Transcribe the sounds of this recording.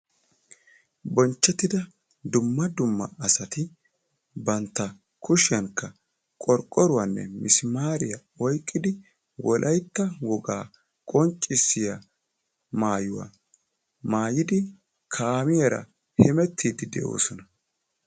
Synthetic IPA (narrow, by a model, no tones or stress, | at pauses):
bɔnt͡ʃːɛt̪ːɪd̪ɐ | d̪ʊmːɐd̪ʊmːɐ̰ɐsɐt̪ɪ | bɐnt̪ːɐ | kʊʃɪjɐŋkːɐ | kʼɔɾkʼːɔɾʊwanːɛ̰mɪsɪmaːɾɪjɐ | ɔjkʼːɪd̪ɪ | wɔlʔɐjt̪ːɐwɔɡaː | kʼɔnt͡ʃʼːɪsːɪjɐ | maːjʊwa̰ | maːjɪd̪ɪ | kʰaːmɪjɐɾɐ̰ | hɛmɛt̪ʰːiːd̪ɪd̪ɛ̰ʔo̞̰ːsɔnɐ